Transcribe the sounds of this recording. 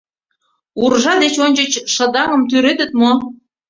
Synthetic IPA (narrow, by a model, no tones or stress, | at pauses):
urʒɑd̪et͡ɕonʲt͡ɕət͡ɕʃə̆d̪ɑŋə̆mt̪̬yɾet̪ə̆t̪̚mo